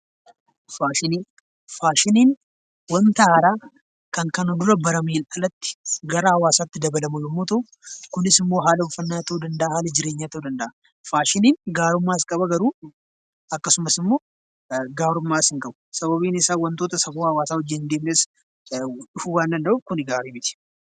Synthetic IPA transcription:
faːʃɪniː | faːʃɪniːn | wɐnt̪ɐhɐɾaː | kɐŋkɐnɔd̪ʊɾɐbɐɾɐmeːlʔɐlɐt̪ːɪ̥ɡɐɾɐhɐwaːsaːt̪ːɪd̪ɐbɐlɐmʊjɛmːoːt̪ɐʊ | kʊnɪsɪmːo̞ːɦaːlɐbʊfːɐnːaːt̪oːd̪ɐnd̪ɐʔaːhaːlɐd͡ʒɪɾe̞ːɲːaːt̪oːd̪ɐnd̪ɐʔa | faːʃɪniːnɡaːɾʊmːaːɪskʼɐbɐɡɐɾuː | ɐkːɐsʊmɐsɪmːo̞ː | ɡaːɾʊmːaːɪsɪŋkʼɐbʊ̥sɐbɐbiːnɪsaːwɐnt̪oːt̪ɐsɐfuːhɐwaːsaːɔd͡ʒːɪnd̪eːmneːs | ᶑʊfʊwaːnd̪ɐnd̪ɐʔuːbkʊnɪɡaːɾiːmɪt̪ɪ̥

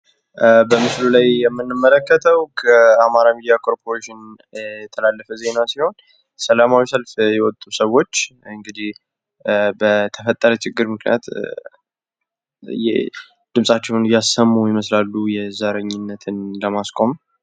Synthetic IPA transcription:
bəmɨslulajjɛmːɨnːɨmːələkːət̪ʰəwkʰəamaɾamid̪ijakʰoɾpʰoɾeʃɪnjɛjɛt̪ʰəlalːəfəze̞nasiho̞n | səlamawisəlfjɛwɔt̪ʼːusəwːo̞t͡ʃːɨŋɡɨd̪ih | bət̪ʰəfət̪ʼːəɾət͡ʃʰɪɡːɨɾmɨknḭjat̪ | jɛ̰ | d̪̥ɨmsʼat͡ʃːɛwnjasəmːujɪməslalːujɛzəɾəɲːɪnːət̪ʰɨnləmaskʼo̞m

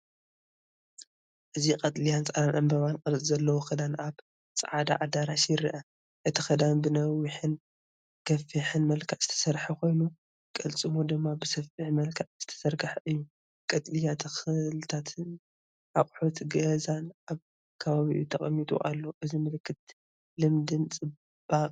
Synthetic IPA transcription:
ʔɨzikʼɐt̪ʼlijant͡sʼɐlanʔɐmbɐβankʼɐllʼzɐlːɐwoxɐd̪anaβ | t͡sʼɐ̰ʕad̪a̰ʕad̪aɾaʃiɾḭʔɐ | ʔɨt̪ʰixɐd̪anbɨnɐwiħɨn | ɡ̥ɐfiħɨnmɐlkʰaʕzɨ̥t̪ʰɐ̥sɐɾħikʰo̞jnu | kʼɐlt͡sʼɨmod̪ɨmːabɨsɐfiħmɐlkʰaʕz̥ɨt̪ʰɐ̥sɐɾɡɨħʔɨjːu | kʼɐt̪ʼlijat̪ʰɐxɨlɨt̪ʰat̪ʰɨn | ʔaχʼħot̪ɡɐzanʔaβ | kʰɐβaβḭʔut̪ʰɐχʼɐmːit̪ʼṵʔa̰lːoʔɨzimɨlkʰːɨt̪̚ | lɨmd̪ɨnt͡sʼɨ | b̥aqʼ

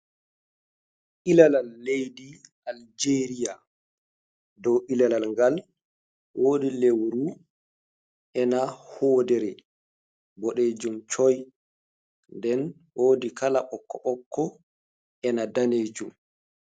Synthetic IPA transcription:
ʔilalalːejdiʔald͡ʒeːɾija | dɔwʔilalalŋɡal | wʔoːdilewɾu | ʔɛnahɔːdɛɾɛ | bɔɗeːd͡ʒumt͡ʃɔj | ndɛn | woːdikalaɓɔkːɔɓɔkːɔ | ʔɛnadaneːd͡ʒum

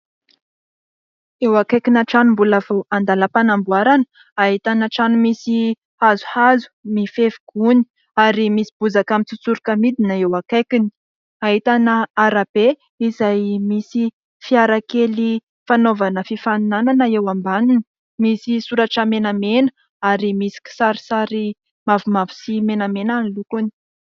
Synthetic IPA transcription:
ewakajkinaʈ͡ʂanumbulav̥oand̪alapanambuaɾanə̥ | aɦit̪anaʈ͡ʂanumisi | hazu̥hazu̥mifevuɡ̥uni̥ | aɾimisi̥b̥uzakamit͡sut͡suɾukəmid̪inəewakajkini̥ | aɦit̪anəaɾab̥e | izajmisi | fiaɾakeli | fanovanəfifanunananəewambaninə | misisuɾaʈ͡ʂəmenamenə̥ | aɾimisi̥ki̥saɾi̥saɾi | mavumavu̥simenamenanlukuni̥

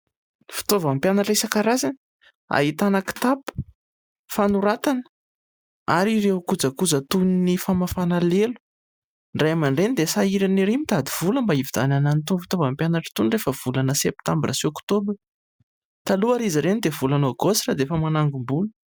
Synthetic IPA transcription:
fi̥t̪ovampjanaʈ͡ʂesakaɾazan | a̰ɦit̪anaki̥t̪apu̥ | fanuɾat̪anə̥ | aɾirewkud͡zəkud͡zət̪uninifamafanalelu̥ | nɖ͡ʐajamaɳɖ͡ʐenid̪esaiɾaniɾimit̪ad̪iv̥uləmbaivid̪anananit̪unfi̥t̪ovampjanaʈ͡ʂə̥t̪unrefəv̥ulanəsep̚t̪ambrʔasiokt̪obri̥ | t̪aluaɾizəɾenid̪evulanoɡosrad̪eefəmanaŋɡumbulu̥

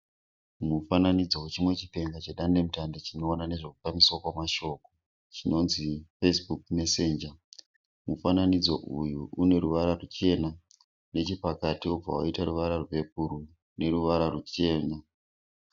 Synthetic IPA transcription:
mufananid͡zo̞we̞t͡ʃimwe̞t͡ʃi̥pe̞ŋɡat͡ʃeɗande̞mutandot͡ʃino̞ːnane̞ʐe̞k̚u̥famiswakwamaʃo̞ko | t͡ʃino̞nzifesbuk̚me̞se̞ːnd͡ʒa | mufananid͡zo̞̰ʔujuʔune̞ɾuʋaɾarut͡ʃe̞na | ne̞t͡ʃepakatiob͡va̰waitaɾuʋaɾarupe̞p̚uɾu | ne̞ɾuʋaɾarut͡ʃe̞ːna

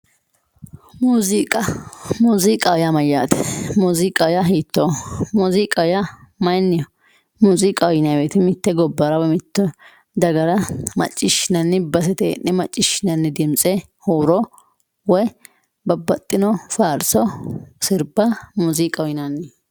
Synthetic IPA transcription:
muːzikʼɐmuːzikʼɐwʊjamɐjːa̰ːt̪ɛ̥muːzikʼːɐwʊjɐɦiːt̪ːomuːziːkʼːɐwʊjɐmɐjnːɪjɔ | muːzikʼɐwjɪnabeːt̪ɪmɪt̪ːɛɡɔbːɐɾɐbɐmɪt̪ːɔ | d̪ɐɡɐɾɐmɐ̰t͡ʃʼːɪʃɪnɐnːɪbɐs̬ɛt̪ḛnːɛmɐt͡ʃʼːɪʃɪnɐnːɪd̪ɪmt͡sʼɛ | hoːɾɔ | wɔj | bɐbːɐt̪ʼːɪnɔfaːɾsɔsɪɾbɐmuːzikʼɐwjɪnɐnːɪ

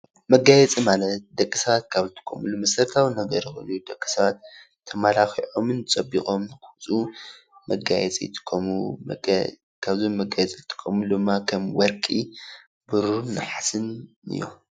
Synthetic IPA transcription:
mɐɡajɛt͡sʼimalɐt̪̚d̪ɐkʼːisɐβat̪kʰaβzɨt̪ʰɨ̥kʰːomɨlumɐsɐɾt̪ʰawnɐɡɐɾixɨ̰nujd̪ɐkʼːi̥sɐβat̪ʰː | ɐmalaxiʕo̞mɨnt͡sʼɐbːikʼo̞mnɨkɨt͡sʼu | mɐɡa̰jɛ̰t͡sʼḭt̪ʰɨ̥kʰːomu | kʰaβzomːɐɡajɛt͡sʼiɨt̪ʰɨ̥kʰːomud̪ɨmːakʰɐmwɔɾkʼi | bɨɾuɾnɨħasɨn | ɨ̰jːo̰

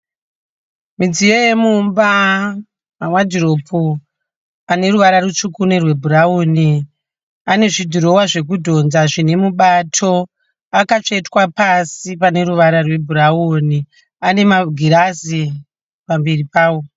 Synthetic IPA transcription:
mid͡zijoje̞mumba | mamwad͡ziro̞pʰo | ane̞ɾuʋaɾaɾut͡ʂukunerwe̞bʱuɾaoːni | ane̞ʐidʱiɾo̞waʐe̞k̬udʱo̞nzaʐine̞muɓatʰo̞ | akat͡ʂeitwapasipane̞ɾuʋaɾarwe̞bʱuɾaoni | ane̞maɡʱiɾasi | pambiripaːwo

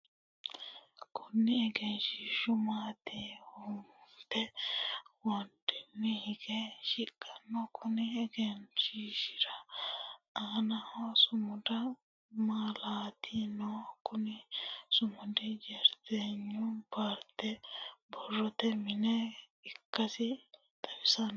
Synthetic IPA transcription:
kʰʊnːɪɛɡɛnʃɪʃʊmaːt̪ehʊmt̪ɛ | wɐnd̪ɛmːɪhɪɡɛʃɪkʼːɐnːɔkʰʊnɪɛɡɛnʃiʃɪ̥ɾɐ | aːnɐhsʊmʊd̪ɐ | maːlaːt̪ʰinɔkʊnɪsʊmʊd̪ɪd͡ʒɛɾt̪eːɲːʊbaːɾt̪ːɛbɔrːɔt̪ɛmɪnɛ | ɪkːɐsɪ | t̪ɐwɪsɐn

